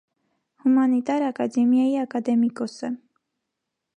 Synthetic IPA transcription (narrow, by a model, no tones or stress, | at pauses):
humɑnit̪ɑɾɑkɑd̪ɛmjɑjiɑkɑd̪ɛmikɔsə